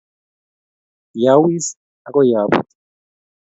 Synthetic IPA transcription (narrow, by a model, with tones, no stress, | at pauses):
ja˨wi˦s | a˦kʼɔ˦ja˨ɓṵtʰʼi̥